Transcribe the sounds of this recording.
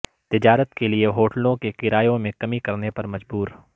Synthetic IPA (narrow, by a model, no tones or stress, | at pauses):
t̪ɪd͡ʒaːɾət̪kelieɦoːʈəlõkekɪɾaːjõmẽkɐmikɐɾnepɐɾmɐd͡ʒbuːɾ